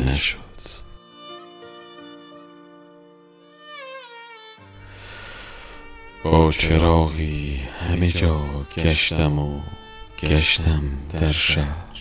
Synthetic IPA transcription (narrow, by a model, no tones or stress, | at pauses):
naʃod̪̥ | b̥ɒːt͡ʃʰeɾɒːɣihamed͡ʒɒːɡaʃt̪amo | ɡaʃt̪ʰamd̪aɾʃahɾ